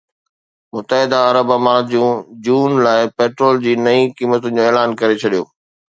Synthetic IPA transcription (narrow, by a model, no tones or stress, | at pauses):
mʊt̪əɦɪd̪aɐɾəbəmaːɾd͡ʑũːd͡ʑuːnlaːɪpeːʈɾoːld͡ʑiːnɐĩkiːmət̪ʊnɪd͡ʑoːeːlaːnkɐɾet͡ɕʰɐɗijoː